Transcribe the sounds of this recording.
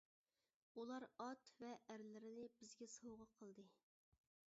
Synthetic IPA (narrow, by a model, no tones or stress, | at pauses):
ulˠɑɾɑt̪vɛʔæɾlɪɾɪnɪbɪzɡʲɛsowʁɑqʰəlˠd̪ɨ